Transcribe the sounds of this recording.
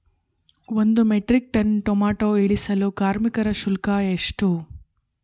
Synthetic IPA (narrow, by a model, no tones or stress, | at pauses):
ʋond̪umeʈɾik̚ʈɐnʈomaːʈoːeɭisɐlukaːɾmikɐɾɐʃulkaeʂʈu